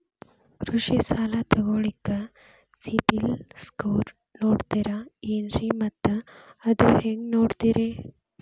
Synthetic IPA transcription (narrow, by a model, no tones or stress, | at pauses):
kɾuʂisaːlat̪ɐɡoːɭikːɐ | sipilskoːɾ | noːɽt̪iɾaiːnɾimɐt̪ːuɐd̪uheŋɡnoːɽt̪iɾe